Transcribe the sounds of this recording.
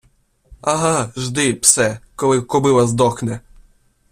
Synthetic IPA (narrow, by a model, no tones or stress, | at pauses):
ɐɦɑʒd̪ɪpsɛkɔlˠɪkɔbɪlˠɐzd̪ɔxnɛ